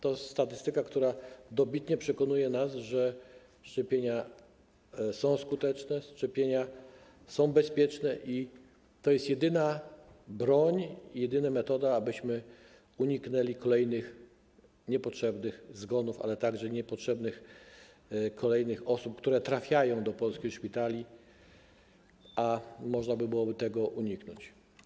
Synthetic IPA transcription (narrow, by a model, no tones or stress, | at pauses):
t̪ɔst̪at̪ɘst̪ɘkakt̪uɾad̪ɔbʲit̪ɲɛpʂɛkɔnujɛnasʐɛ | ʂt͡ʂɛpʲjeɲa | sɔ̃w̃skut̪ɛt͡ʂnɛʂt͡ʂɛpʲjeɲa | sɔ̃w̃bɛspʲjɛt͡ʂnɛʔi | t̪ɔjɛst̪jɛd̪ɘnabɾɔɲjɛd̪ɘnamɛt̪ɔd̪aːbɘɕmɘ | uɲiknɛlʲikʰɔlɛjnɘx | ɲɛpɔtʂɛbnɘxzɡɔnufa̰lɛt̪aɡʐɛɲɛpɔtʂɛbnɘx | kʰɔlɛjnɘxɔsup̚kt̪uɾɛt̪ɾafʲjajɔ̃w̃d̪ɔpɔlskʲixʂpʲit̪alʲi | amɔʐnabɘbɘwɔbɘt̪ɛɡɔʔuɲiknɔ̰t͡ɕ